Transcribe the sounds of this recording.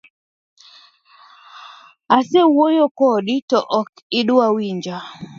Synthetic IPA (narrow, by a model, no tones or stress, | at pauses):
asɛwojokɔɗitɔʔɔk | ɪɗʊawiɲd͡ʒa